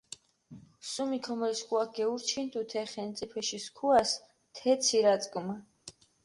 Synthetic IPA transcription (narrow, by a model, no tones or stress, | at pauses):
sumikʰɔmɛɾiskʰʼuak̚ɡɛuɾt͡ʃʰint̪ʼut̪ʰɛχɛnt̪sʼipʰɛʃiskʰuas | t̪ʰɛt̪sʰiɾat̪sʼkʼma